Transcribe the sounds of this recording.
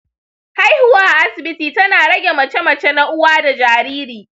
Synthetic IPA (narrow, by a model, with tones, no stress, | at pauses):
ha˦jhʊ˨waː˦ʔa˨ʔa˦sɪ˨bɪ˦tiː˨tɐ˦naː˨ɽɐ˦ɡʲe˨mɐ˨t͡ʃɛ˦mɐ˨t͡ʃe˦na˦ʔʊ˦waː˦da˨d͡ʒaː˨ɾiː˦ɾiː˨